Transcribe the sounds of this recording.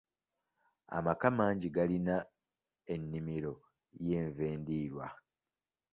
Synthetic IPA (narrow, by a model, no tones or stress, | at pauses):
a̰makamaːɲɟiɡalina | e̞nːimiɾo̞ | je̞ːɱve̞ːndiːɾwa